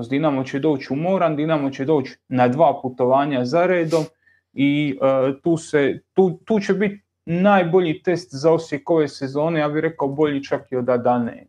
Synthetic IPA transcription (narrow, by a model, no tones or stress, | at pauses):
zd̪inamot͡ɕe̞d̪o̞ːt͡ɕumo̞ːɾand̪inamot͡ɕe̞d̪o̞ːt͡ɕnad̪ʋaːput̪o̞ʋaːɲazaɾeːd̪o̞m | it̪uːse̞t̪uːt̪uːt͡ɕe̞bit̪ | naːjbo̞ʎiːt̪e̞st̪zaosjeko̞ʋe̞ːse̞zo̞ːne̞jaːbiɾe̞kaobo̞ʎit͡ʃakiod̪ad̪anḛː